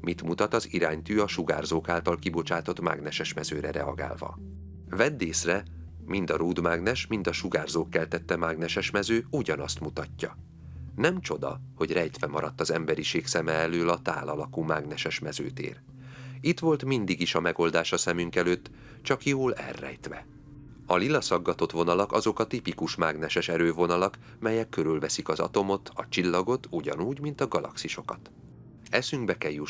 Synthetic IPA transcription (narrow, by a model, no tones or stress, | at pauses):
mit̪mut̪ɒt̪ɒziɾaːɲt̪yːɒʃuɡa̰ːrzoːkaːlt̪ɒlkibo̞t͡ʃaːt̪o̞t̪ma̰ɡnɛʃɛʃmɛzøːɾɛɾɛɒɡa̰ːlvɒ̰ | vɛd̪ːeːsrɛ | mind̪ɒɾuːd̪maːɡnɛʃmind̪ɒʃuɡaːrzoːkːɛlt̪ɛt̪ːɛmaːɡnɛʃɛʃmɛzøːuɟɒnɒst̪mut̪ɒcːɒ | nɛmt͡ʃo̞d̪ɒ̰ho̞ɟrɛjt̪ʋɛmɒɾɒt̪ːɒzɛmbɛɾiʃeːksɛmɛɛløːlɒt̪a̰ːlɒlɒkuːmaːɡnɛʃɛʃmɛzø̰ːt̪ḛːr | it̪ʋo̞lt̪mind̪iɡiʃɒmɛɡo̞ld̪aːʃɒsɛmyŋkɛløːt̪ː | t͡ʃɒkjoːlɛ̰rːɛ̰jt̪ʋɛ̰ | ɒlilːɒsɒɡːɒt̪o̞t̪ʋo̞nɒlɒkɒzo̞kɒt̪ipikuʃmaːɡnɛʃɛʃɛɾøːvonɒlɒk | mɛjɛkːøɾylvɛsikɒzɒ̰t̪o̞mo̞t̪ʰɒt͡ʃilːɒɡo̞t̪uɟɒ̰nuːɟmint̪ɒɡɒlɒ̰ksiʃo̞kɒt̪ | ɛsyŋɡbɛkɛlju